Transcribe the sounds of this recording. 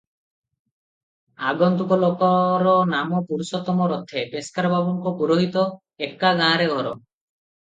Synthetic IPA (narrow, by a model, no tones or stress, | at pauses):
aɡɔnt̪ukɔlokɔɾɔnamɔpuɾusɔt̪ɔmɔɾɔt̪ʰːepeskaɾbʱabɔŋkɔpuɾoɦit̪ɔ | ekːaɡãːɾeɡʱɔɾɔ